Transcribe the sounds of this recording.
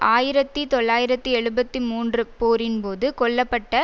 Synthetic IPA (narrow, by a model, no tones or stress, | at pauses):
ʔaːjɪɾɐt̪ːɯt̪ɔɭːaːjɪɾɐt̪ːɯɛɻɯbɐt̪ːɯmuːndrɯpoːɾɪnpoːðɯkɔɭːɐpːɐʈːɐ